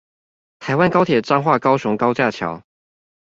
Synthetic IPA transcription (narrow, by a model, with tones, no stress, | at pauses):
t̪ʰa˧˥ɪwa˥nkɑ˥ʊt̪ʰjɛ˨˩ʈ͡ʂɑ˥ŋxwa˥˩kɑ˥ʊʂʊ˧˥ŋkɑ˥ʊt͡ɕja˥˩t͡ɕʰjɑ̰˧˥ʊ